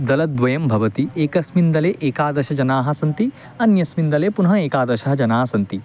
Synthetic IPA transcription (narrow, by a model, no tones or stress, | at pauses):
d̪ɐlɐd̪ʋɐjɐmbʱɐʋɐt̪ieːkɐsmind̪ɐleːʔeːkaːd̪ɐɾʃɐd͡ʒɐnaːɦɐ̆sɐnt̪i | ɐnjɐsmind̪ɐleːpunɐɦɐeːkaːd̪ɐɾʃɐɦɐd͡ʒɐnaːɐsɐnt̪i